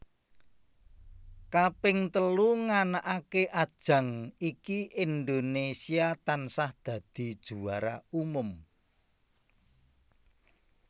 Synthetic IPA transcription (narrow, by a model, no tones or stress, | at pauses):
kapɪŋt̪əluŋanaʔakeʔad̥ʒ̥ä̤ŋikiʔind̪onesiat̪ansahd̪̥ä̤d̪̥i̤d̥ʒ̥ṳaɾa̰umʊm